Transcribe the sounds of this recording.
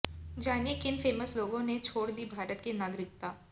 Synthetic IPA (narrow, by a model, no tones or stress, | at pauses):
d͡ʒaːnjekɪnfeːməsloːɡõnet͡ʃʰoːɽd̪iːbʱaːɾət̪kenaːɡɾɪk̚t̪aː